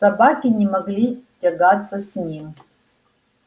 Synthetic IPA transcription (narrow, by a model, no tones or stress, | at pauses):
sabakʲinʲɪmaɡlʲitʲaɡat͡sʰʼːɐsnʲim